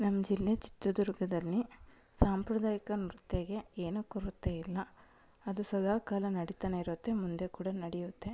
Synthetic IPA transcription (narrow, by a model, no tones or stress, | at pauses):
nɐmːɐd͡ʒilːet͡ʃi̥t̪ːɐd̪uɾɡɐd̪ɐlːi | saːmpɾɐd̪aːjɐkɐnɾt̪ːeɡe̞eːnukoɾut̪ːe̞ilːɐ | ɐd̪usɐd̪aːkaːlɐnɐɽit̪aːneiɾot̪ːe̞mund̪e̞kuːɽɐnɐɽɛjut̪ːe̞